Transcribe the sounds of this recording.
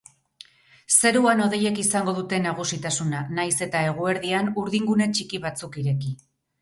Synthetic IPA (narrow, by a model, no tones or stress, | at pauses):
se̞ɾuano̞ð̞e̞je̞kisaŋɡo̞ð̞ut̪e̞naɣ̞usit̪asunanajse̞t̪ae̞ɣ̞ue̞ɾðianuɾðiŋɡune̞t͡ʃikiβat͡sukiɾe̞ki